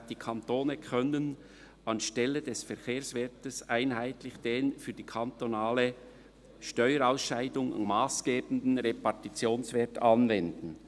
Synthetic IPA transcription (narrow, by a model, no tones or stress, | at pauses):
d̥iːkʰɑnt̪oːnəkʰœnən | ɑnʃtɛlədɛsfɛɾkʰeːsvɛtəsʔaɪnɦaɪtlɪçd̥eːnfyːdiːkʰɑntonaːlə | ʃtœʏəɾaʊsʃaɪdʊŋ̰maːsɡ̥eːbn̩d̪n̩ɾepɑʁtit͡sjoːnsvɛɐtɑnvɛndn̩